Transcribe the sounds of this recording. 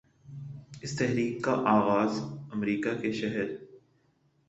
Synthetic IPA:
ɪst̪ɛɦɾiːkːaʔaːɣaːzɐmɾiːkakeʃɛɦəɾ

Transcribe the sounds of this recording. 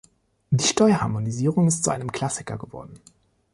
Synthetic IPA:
diːʃtɔʏɐhaɐmoniziːʁʊŋɪstt͡suʔa̰ɪnəmkl̥asɪkɐ̰ɡəvɔ̰ɐdn̩

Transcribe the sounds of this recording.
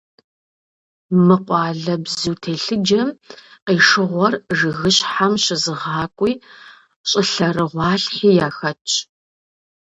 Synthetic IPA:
mɨqʷʼɑːɮɐbzuːtʰeːɬɨd͡ʒɐmqiːʂɨʁʷɔrʐɨɣɨɕħamɕɪzɨʁɑːkʷʼiː | ɕʼɪɬɐrɨʁʷɑːɬħiːjaːxɐt͡ʃʼ

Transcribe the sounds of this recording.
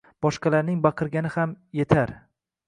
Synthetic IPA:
b̥ɒʃqɑlaɾnɪŋbɑqʰɨɾɡʲanɪhamje̞t̪ʰaɾ

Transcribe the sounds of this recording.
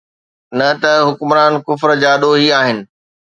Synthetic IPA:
nɐt̪ɐɦʊkmɾaːnkʊfɾd͡ʑaːɗoːɦiaːɦɪnɪ̆

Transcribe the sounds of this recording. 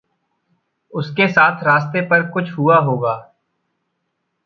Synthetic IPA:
ʊskesaːt̪ʰɾaːst̪epɐɾkʊt͡ʃʰɦuaɦoːɡaː

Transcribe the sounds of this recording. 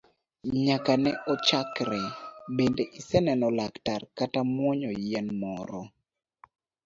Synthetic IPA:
ɲakanɛʔɔt͡ʃakɾɛbendeʔisɛnɛnɔlaktarkatamwɔɲɔjɛnmɔɾɔ

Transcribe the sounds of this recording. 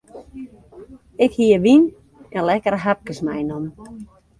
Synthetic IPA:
ɪkhiəʋin | ɛnlɛkəɾɦap̚kəsmɛjnɔm

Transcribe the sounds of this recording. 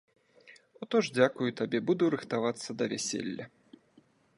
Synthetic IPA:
ut̪ɔʐd͡zʲakujut̪abʲɛbud̪uɾɨxt̪avat̪sːɐd̪ɐvʲæsʲḛlʲːɐ

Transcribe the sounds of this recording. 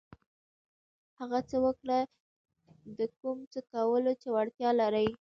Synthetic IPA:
haɣat͡səwəkɽa | d̪əkumt͡səkawəlot͡ʃewaɽt̪jɑlaɾəj

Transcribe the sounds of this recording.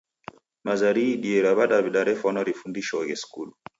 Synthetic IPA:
mazaɾiɗiɛɾaβaɗaβiɗaɾɛfanɔɾifundiʃɔɣɛskulu

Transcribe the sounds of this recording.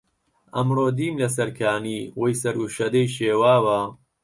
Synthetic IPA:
ʔɐmroːd̪iːmlɐs̬ɐɾkʰaːniːwojsɐɾuʃɐd̪ɐjʃeːwaːwɐ

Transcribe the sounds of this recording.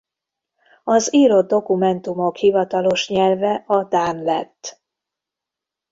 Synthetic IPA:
ɒziːɾo̞d̪̚d̪ːo̞kumɛnt̪umo̞khivɒt̪ɒlo̞ʃɲɛlvɛʔɒd̪aːnlɛt̪ː

